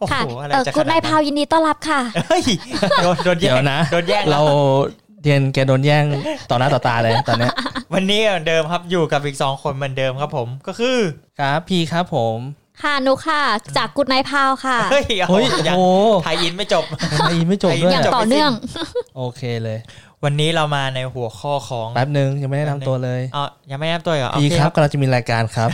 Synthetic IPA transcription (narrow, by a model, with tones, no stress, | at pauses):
ʔo˧kʰa˥˧aɤː˧˩˨ku˨˩na˨˦˥jpʰaː˧˩wji˧ndiː˧t̪ɔ˥˩ŋɾa˦˥p̚kʰa˥˩˥joː˧ndoː˧njna˦˥ʔdoː˧njɛː˥˩˨ŋɾa˧w | di˧ənkɛː˧˩doː˧njɛː˥˩ŋt̪ɔː˨˩naː˦˥˩t̪ɔː˨˩t̪aː˧laː˧na˦˥t̪ɔː˧nːi˦˥wa˧nːiː˦˥˧ndɤː˧mkʰa˦˥p̚juː˨˩ka˨˩p̚ʔi˨˩k̚sɔː˩˦ŋkʰo˧nmɯ˧˩əndɤː˧mkʰa˦˥pʰːo˩˦mkɔː˥˩kʰɯː˧kʰa˦˥pʰiː˧kʰa˦˥pʰːo˩˦m | kʰa˥˩nuː˦˥kʰa˥˩t͡ɕaː˨˩kːu˨˩t̪̚na˨˦˥jpʰaː˧˥˩wkʰa˥˩ə˦˥jo˧˦˥jʔo˧˩a˧oː˨˩tʰa˧˩jʔi˧nma˥˩jt͡ɕo˨˩p̚a˧˩aː˧˩jʔi˧˦nma˥˩jt͡ɕo˨˩˨da˨˩t̪ɔː˨˩nɯ˥˩əŋʔoː˧kʰeː˧lɤː˧j | wa˧nːiː˦˥ɾa˧wmaː˧na˧jhu˨˩˦ɐkʰɔː˥˩kʰɔː˩˦ŋbɛː˦˥p̚nɯ˨ŋja˨˩ŋma˥˩˨ɛ˧˥˧na˧m˧t̪u˧ɐlɤː˧jʔɔː˧˩ja˨˩ŋma˥˩˧mt̪u˧ka̰˨˩ʔpʰiː˧kʰɾa˦˥p̚kɔː˥˩a˧wt͡ɕa˨˩miː˧ɾaː˧jkaː˧nkʰa˦˥pp̚